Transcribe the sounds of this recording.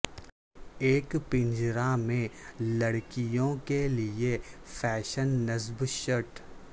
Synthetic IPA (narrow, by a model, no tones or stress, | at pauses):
eːkpɪ̃ɲd͡ʒɾamẽlɐɽkijõkeliefʰɛːʃənːəzbʃəʈ